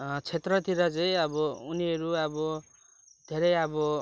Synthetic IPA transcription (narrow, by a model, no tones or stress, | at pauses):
t͡sʰet̪rʌt̪ʰiɾʌt͡sʌĩʌbʌuniɦʌɾuʌbʌ | d̪ʱeɾʌjʌbʌ